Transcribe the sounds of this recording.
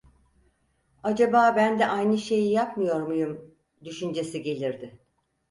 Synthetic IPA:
ad͡ʒabaːbænd̪ɛʔajnɯʃe̞jijapmɯjo̞ɾmujum | d̪yʃynd͡ʒe̞siɟe̞lʲiɾd̪ɪ

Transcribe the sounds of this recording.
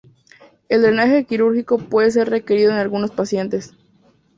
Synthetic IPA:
e̞ld̪ɾenaxe̞kiɾuɾxiko̞pwe̞ðe̞s̬e̞ɾre̞ke̞ɾiðo̞enalɣuno̞spasje̞nt̪e̞s

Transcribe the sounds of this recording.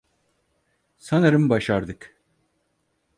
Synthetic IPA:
sanaɾɯmbaʃaɾd̪ɯk

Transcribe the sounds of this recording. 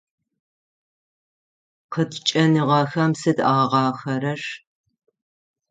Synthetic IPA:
qʰətʰt͡ʃʼɐniʁɑːxɐmsɨda̰ːʁɐʁɑːxɐɾɐʂ

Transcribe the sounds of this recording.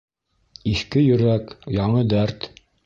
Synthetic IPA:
iθkɘjɵ̆ɾækjɑɴɤd̪æɾt̪

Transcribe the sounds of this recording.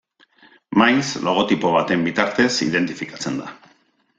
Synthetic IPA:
majnslo̞ɣ̞o̞t̪ipo̞β̞at̪e̞mbit̪aɾt̪e̞sḭðe̞nt̪ifikat͡se̞nd̪a

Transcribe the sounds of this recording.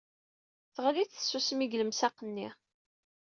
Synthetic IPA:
θəʁliθə̥sːusmiɡləmsæqːənːi

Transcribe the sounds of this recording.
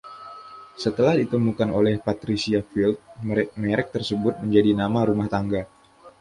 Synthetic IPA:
sət̪əlahdit̪əmukano̰lɛhpat̪ɾisiafilt̪̚mɛɾɛk̚t̪ərsəbʊt̪̚məɲd͡ʒadinamaɾumaht̪aŋɡa

